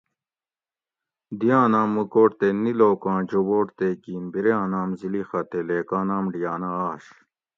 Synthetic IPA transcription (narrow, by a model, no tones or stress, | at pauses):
d̪ijãːnaːmːukoːʈt̪eniloːkãːd͡ʑoboːʈt̪ekiːmbiɾjãːnaːmzilixɐt̪eleːkaːnaːmɖijaːnɐaːɕ